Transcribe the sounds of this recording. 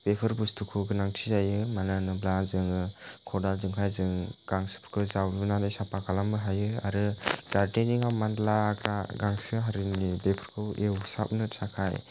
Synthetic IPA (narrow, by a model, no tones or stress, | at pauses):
b̥epʰɯɾbustʰukʰuɡɯnaŋtʰizajɯmananɯblazɯŋɯkʰɔdalzɯŋkʰajzɯŋɡ̥aŋsɯ̥pʰɯ̥kʰɯzawlbɯnadajsapakʰalambɯɦajɯa̰ɾɯdaɾteniŋawmandlaɡɾaɡaŋsɯɦaɾɯnibepʰɯɾkʰɯwewsa̰p̚nɯsʰakʰaj